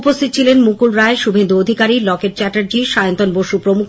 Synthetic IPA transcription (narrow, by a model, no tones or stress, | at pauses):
post̪ʰit̪ot͡ɕʰilenmukulɾaeʃubʱend̪uod̪ʱikaɾilɔkeʈ̚t͡ɕɛʈaɾd͡ʑiʃajont̪onboʃupɾomuk